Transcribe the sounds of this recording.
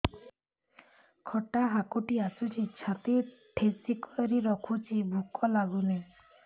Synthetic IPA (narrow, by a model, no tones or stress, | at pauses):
kʰɔʈaɦakuʈiasut͡ʃʰit͡ʃʰat̪i | ʈʰesikɔɾiɾɔkʰut͡ʃʰibʱukɔlaɡune